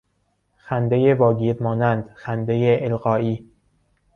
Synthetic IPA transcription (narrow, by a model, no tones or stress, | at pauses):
xænd̪ejevɒːɡiːɾmɒːnænd̪xænd̪ejeʔːlɢɒːiː